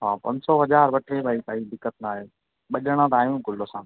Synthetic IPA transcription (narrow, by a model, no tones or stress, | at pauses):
ɦãːpɐ̃nsɔːɦɐʄaːɾʋɐʈʰebʱaːiːt̪aːiːd̪ɪkːət̪̚naːɦeː | ɓɐʄəɽ̃ãt̪aːjũːkʊlosãː